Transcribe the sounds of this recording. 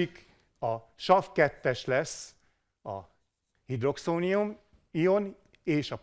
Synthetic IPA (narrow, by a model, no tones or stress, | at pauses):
ik | ɒʃɒfkɛt̪ːɛʃlɛsː | ɒ̰ | hid̪ro̞ksoːnium | ijo̞n | eːʃɒp